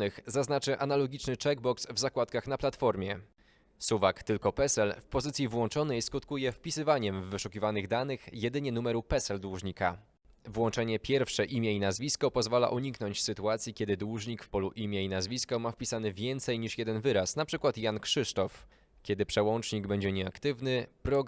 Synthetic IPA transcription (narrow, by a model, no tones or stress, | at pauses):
ɘxzaznat͡ʂɘʔanalɔɡʲit͡ʂnɘt͡ʂɛɡ̚bɔksvzakwat̪̚kaxnaplat̪fɔɾmʲjɛ | suvakt̪ɘlkɔpɛsɛlfpɔzɘt̪sʲivwɔnt͡ʂɔnɛiskut̪kujɛfpʲisɘvaɲɛmvːɘʂukʲivanɘɣd̪anɘxjɛd̪ɘɲɛnumɛɾupɛsɛld̪wuʐɲika̰ | vwɔnt͡ʂɛɲɛpʲjɛɾfʂɛʔimʲjɛinazvʲiskɔpɔzvala̰ʔuɲikn̪ɔɲt͡ɕsɘt̪uat̪sʲjikʲɛd̪ɘd̪wuʐɲikfpɔluʔimʲjɛinazvʲiskɔmafpʲisanɘvʲjɛnt̪sɛjɲiʂjɛd̪ɛnvɘɾasnapʂɘkwat̪jankʂɘʂt̪ɔf | kʲɛd̪ɘpʂɛwɔnt͡ʂɲiɡbɛɲd͡ʑɛɲɛakt̪ɘvnɘpɾɔɡ